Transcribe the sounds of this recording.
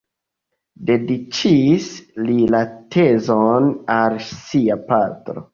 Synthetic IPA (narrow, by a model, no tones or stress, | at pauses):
de̞dit͡ʃislilatʰe̞zonalsiapatɾo̰